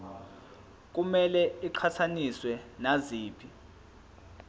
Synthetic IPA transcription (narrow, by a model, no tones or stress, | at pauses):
k̬umɛlɛiǃʰatʰaniswɛnaziːpʰi